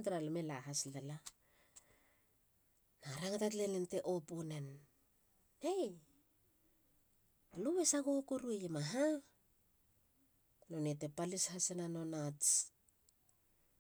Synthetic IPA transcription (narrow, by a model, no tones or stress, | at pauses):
dɾalme̞laɦaslala | naɾaŋatatle̞nente̞ʔoponen | ej | luβe̞saɡuokuɾuejemaɦa | no̞nete̞palishasenanonat͡s